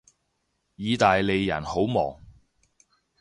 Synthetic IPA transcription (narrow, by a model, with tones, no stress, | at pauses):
jiː˨˧t̪aː˨jle˨˧jːɐ̰˨˩nho˨˥wmɔ̰ː˨˩ŋ